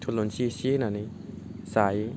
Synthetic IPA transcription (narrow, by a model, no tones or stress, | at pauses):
tʰulonsisenani | sai